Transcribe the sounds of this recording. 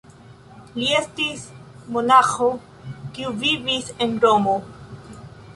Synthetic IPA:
liestismonaxo | kiuvivisenɾomo

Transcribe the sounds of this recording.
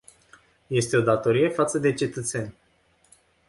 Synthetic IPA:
je̞st̪e̞o̞d̪at̪o̞ɾije̞fat̪səd̪e̞t͡ʃe̞t̪ət̪se̞nʲ

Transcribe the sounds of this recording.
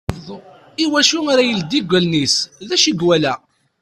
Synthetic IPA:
ðˤ | iwæʃuaɾajəld̪ːiɡʷəlnisðæʃiɡwælæ

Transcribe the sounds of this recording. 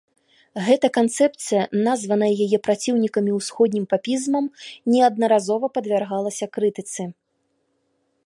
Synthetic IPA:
ɣɛt̪ɐkant̪sɛpt̪sɨjɐnazvɐnɐjɐjajɛpɾat͡sʲiwnʲikɐmʲiwsxɔd̪̚ʲnʲimpapʲizmɐmnʲɛɐd̪nɐɾazɔvɐpɐd̪vʲarɣalˠɐsʲɐkɾɨt̪ɨt̪sɨ

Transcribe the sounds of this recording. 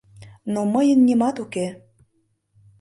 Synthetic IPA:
noməjənːimɑt̪uke

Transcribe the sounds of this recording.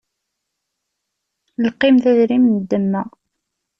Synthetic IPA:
lqːɪmθæðɾimnəd̪ːəmːæ

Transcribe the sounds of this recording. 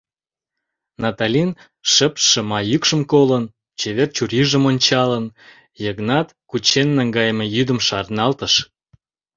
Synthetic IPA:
nɑt̪ɑlʲin | ʃəpʃə̆mɑjykʃəmkolən | t͡ɕeβert͡ɕuɾʲiʒə̆monʲt͡ɕɑlən | jəɣnɑt̪kut͡ɕenːæŋɡɑjəmĕjyd̪əmʃɑrnɑlt̪əʃ

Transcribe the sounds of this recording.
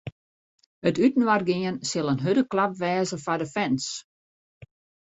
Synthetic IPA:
ətytən̩ʋarɡɪənsɪlˠənɦødəklap̚ʋɛːzəfadəfɛns

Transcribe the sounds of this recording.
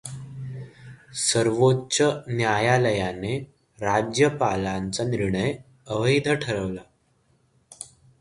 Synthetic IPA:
səɾʋotːɕənjajaləjane | ɾad͡ʑjəpalant͡saniɾɳəj | əʋəjd̪ʱəʈʰəɾəʋla

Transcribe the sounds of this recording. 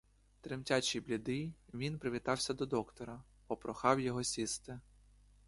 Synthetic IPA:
t̪ɾɪmtʲat͡ʃijblʲid̪ɪjʋʲinpɾɪʋʲit̪ɑwsʲɐd̪ɔd̪ɔkt̪ɔɾɐ | pɔpɾɔxɑwjɔɦɔsʲist̪ɪ

